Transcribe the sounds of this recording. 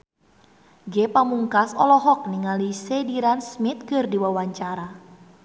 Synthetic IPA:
ɡɛpamuŋkasɔlɔɦɔk̚niŋalisɛdiɾansmit̪̚kɨrdiwawaɲt͡ʃaɾa

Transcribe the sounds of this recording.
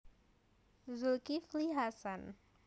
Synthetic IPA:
zulkifliɦasan

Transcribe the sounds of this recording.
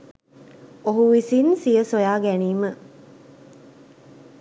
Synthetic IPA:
oɦuʋisinsijəsojaːɡæniːmə

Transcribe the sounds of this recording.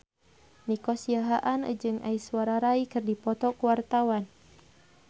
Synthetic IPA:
nikɔsiaɦaʔanə̰d͡ʒɨŋa̰iswaɾaɾaikɨrdipɔt̪ɔkuwart̪awan

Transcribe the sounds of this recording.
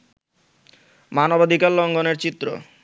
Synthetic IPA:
manobad̪ʱikallɔŋɡoneɾt͡ɕit̪ːɾo̰

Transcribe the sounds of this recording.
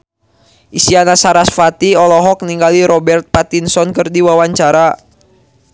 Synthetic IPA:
ʔisianasaɾasfat̪iɔlɔɦɔk̚niŋɡaliɾɔbɛrt̪̚pat̪insɔnkɨrdiwawaɲt͡ʃaɾa

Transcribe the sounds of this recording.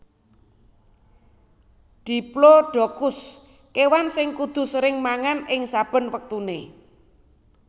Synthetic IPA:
d̪̥i̤ploɖ̥o̤kʊs | kewansɪŋkud̪̥ṳsəɾɪŋmaŋanɪŋsab̥ə̤nwək̚t̪une

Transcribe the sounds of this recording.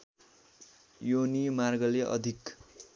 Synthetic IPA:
jonimarɡʌleʔʌ̰d̪ʱik

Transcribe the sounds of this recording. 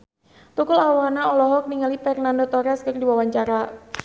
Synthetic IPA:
t̪ukʊlawanaɔlɔɦɔk̚niŋalifɛrnandot̪ɔɾɛskərdiwawaɲt͡ʃaɾa

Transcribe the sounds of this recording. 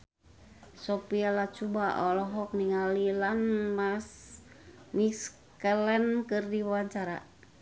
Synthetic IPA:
sopialat͡ʃubaʔɔlɔɦɔk̚niŋalilanmas | mis | kəlɛnkɨrdiwawaɲt͡ʃaɾa̰

